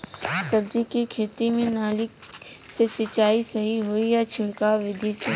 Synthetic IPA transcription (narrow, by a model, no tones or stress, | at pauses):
sɐb̚d̪ikikʰeːt̪imẽnaːlɪksesɪt͡ʃaːisɐɦiɦoijat͡ʃʰɪ̃ŋkaʋɪd̪ʱise